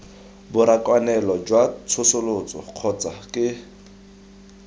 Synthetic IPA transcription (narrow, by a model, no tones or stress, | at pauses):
bʊɾakʼwanɛlɔd͡ʒwat͡sʰʊsʊlʊt͡sʼɔq͡χʰɔt͡sʼakʼɪ